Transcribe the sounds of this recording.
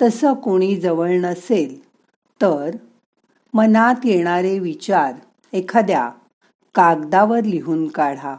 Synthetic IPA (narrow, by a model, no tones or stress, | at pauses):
t̪əsəkoɽ̃iːd͡zəʋəɭnəsel | t̪əɾ | mənat̪jeɽ̃aɾeʋit͡ɕaɾ | ekʰad̪ja̰ | kaɡd̪aʋəɾliɦuːnkaɽ̤a